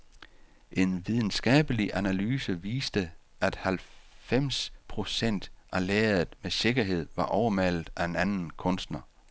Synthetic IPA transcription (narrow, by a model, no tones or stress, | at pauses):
ʔe̝nʋið̞ˠn̩sɡ̥ɛ̰ːb̥əliʔænælyːsəʋiːsd̥əʔæd̥hælfem̰spʰʁo̝sen̰d̥ʔæleːɐð̩ˠmese̝ɡ̥ɐɦe̝ð̞̰ˠʋɑ̈ʔɒʊɐmæl̰ð̩ˠæe̝nænn̩kʰɔ̽nsd̥nɐ